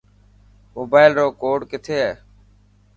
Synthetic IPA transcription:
moːbaːɪlɾoːkoːɖkɪt̪ʰeːɦɛː

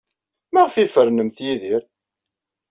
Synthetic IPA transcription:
mæʁfifəɾnəmθjiðiɾ

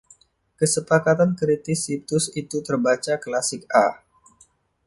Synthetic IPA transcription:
kəsəpakat̪ankɾit̪ɪsit̪ʊsit̪ut̪ərbat͡ʃaklasɪk̚a̰

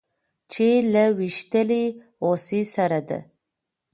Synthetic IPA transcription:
t͡ʃʰelawiʃt̪əli | osisaɾad̪a̰

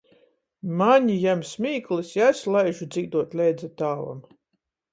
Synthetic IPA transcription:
maɲijamsmʲiːklɨsjaslˠajʒud̪ziːd̪uɔt̪lʲɛjd̪zat̪aːva̰m

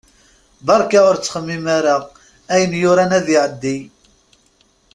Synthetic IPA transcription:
bɑɾˤkaʊɾt͡sːχəmːimaɾaʁ | æjənjʊɾanæðiʕəd̪ːi

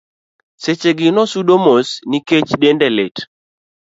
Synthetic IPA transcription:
set͡ʃeɡɪnɔsuɗomosniket͡ʃɗendɛlet

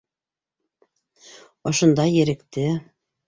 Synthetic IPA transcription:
ŏʃŏnd̪ɑjɘ̆ɾɘ̆kt̪ɘ

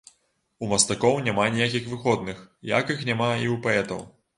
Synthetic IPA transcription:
umɐst̪akɔwnʲamanʲijakʲixvɨɣɔd̪̚nɨxja̰kɨxnʲamaiupaɛt̪ɐ̰w

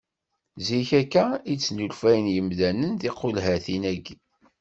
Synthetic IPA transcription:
ziçækːæit͡sːnulfæjənjəmðænənðiqːulɦæθinæɡi

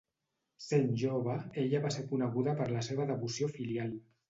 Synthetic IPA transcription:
senʲʒoβ̞aeʎəβaseɾkunəɣ̞uðəpəɾləseβ̞əðəβusiofilialˠ

